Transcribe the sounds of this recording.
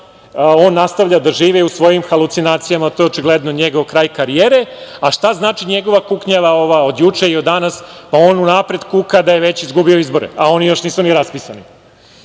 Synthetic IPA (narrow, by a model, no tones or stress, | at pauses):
o̞ːnːast̪aʋʎad̪aʒiːʋɛusʋo̞jimxalut̪sinaːt̪sijamat̪ojeot͡ʃiɡled̪noɲeɡo̞ʋkɾaːjkaɾijeɾe̞aʃt̪aznaːt͡ʃiɲe̞ɡo̞ʋakukɲaʋao̞ʋao̞d̪jut͡ʂeiod̪ːanaspao̞ːnunapɾed̪kukad̪aje̞ʋet͡ɕizɡubio̞izbo̞ɾḛao̞nijo̞ʃniːsuniɾaspisanḭ